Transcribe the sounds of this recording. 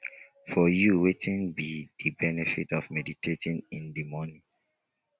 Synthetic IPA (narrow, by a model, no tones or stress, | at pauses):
fɔjuwetʰĩnbidəbɛnɛfitɔvmɛditʰetĩnĩndimɔnĩ